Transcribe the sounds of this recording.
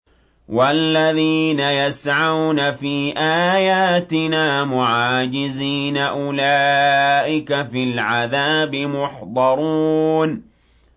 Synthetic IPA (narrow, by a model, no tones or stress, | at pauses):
walːaðiːnajasʕawnafiːʔaːjaːt̪ɪnaːmʊʕaːd͡ʒɪziːnaʔʊlaːʔɪkafilʕaðaːbɪmʊħd̪ˤɑɾˤuːn